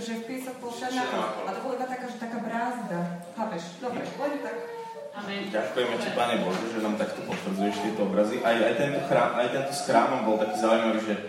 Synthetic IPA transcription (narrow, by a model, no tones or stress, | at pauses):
ʒɛfpiːsɔxpɔlʃananaakɔat̪ɔbɔlaibat̪akaːʒɛt̪akaːbɾaːzd̪ahapɛʃd̪ɔbɛlɛnt̪ak | ɟakujɛmɛcipaːɲɛbɔʒɛʒɛnaːmt̪akt̪ɔpɔt̪ʋɾd͡zujɛʃt̪ɪɛt̪ɔɔbɾaziʔajajt̪ɛnt̪ɔxɾaːmʔajt̪ɛnt̪ɔsxɾaːmɔmbɔlˠt̪akiːzaːujmaʋiːʒɛ